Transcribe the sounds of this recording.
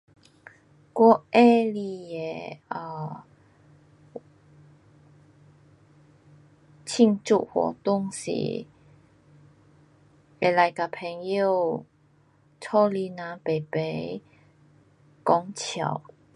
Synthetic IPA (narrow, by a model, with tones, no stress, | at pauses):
kwɔ˥˦e˦li˧e˨˩ə˧ | t͡ɕʰi˥˧ŋt͡sṵ˥˧˨hwɔ̰˨˩t̪ʊ˧˥ŋsḭ˨˦ | e˨˧la˧jka˨pʰɛ˧ŋjo˥˧ | t͡sʰɔ˦li˧nã˧˦pe˨˩pe˨˧˦j | kɔ˧˦ŋt͡ɕʰja̰˨˩˦w